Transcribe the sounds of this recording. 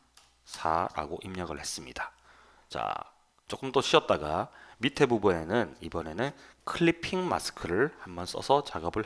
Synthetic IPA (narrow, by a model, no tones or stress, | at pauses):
sʰa̰ɾa̰ɡoʔimɲʌɡɯɭhe̞s͈ɯmɲida | t͡ɕa̰ | t͡ɕ͈ok͈ɯmt͈oɕʰiʌt̚t͈aɡamitʰe̞bubune̞nɯnibʌne̞nɯnkʰɯɭːipʰiŋma̰sʰɯ̥kʰɯɾɯɭhambʌns͈ʌsʰʌt͡ɕaɡʌbɯɭ